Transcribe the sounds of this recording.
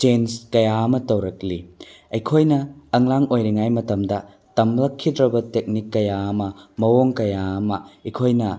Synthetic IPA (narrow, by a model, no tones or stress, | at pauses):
t͡ʃenskɐjaɐmɐtɐwɾɐk̚liɐjkʰojnɐːŋlaŋojɾiŋajmɐtɐmdɐ | tɐmlɐkʰːidɾɐbɐtek̚nikːɐjaɐmɐmɐwoŋkɐjaɐmɐɐjkʰojnɐ